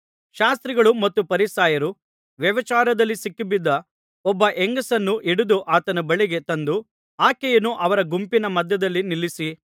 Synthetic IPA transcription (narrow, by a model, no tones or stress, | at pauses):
ʃaːst̪ɾiɡɐɭumɐt̪ːupɐɾisaːjɐɾu | ʋjɐʋɐt͡ʃaːɾɐd̪ɐlːisikːubid̪ːɐ | ɔbːɐʔeŋɡɐsɐnːuʔiɽud̪uʔaːt̪ɐnɐbɐɭiɡe̞t̪ɐnd̪u | aːkɛjɐnːuʔɐʋɐɾɐɡumpinɐmɐd̪jɐd̪ɐlːinilːisi